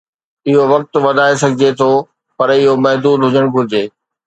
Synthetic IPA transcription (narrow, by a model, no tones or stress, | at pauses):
ɪɦoʋɐk̚t̪ʋɐd̪ʱaːes̬ɐɡʱɪd͡ʑet̪ʰo | pɐɾɪɦomɐɦd̪uːd̪ɦʊd͡ʑəɽ̃ɡʱʊɪd͡ʑeː